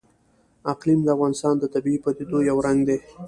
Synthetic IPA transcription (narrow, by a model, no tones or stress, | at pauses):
aqlimd̪əafɣɑnɪst̪ɑnd̪ət̪abiipat̪ed̪ojawɾaŋɡd̪e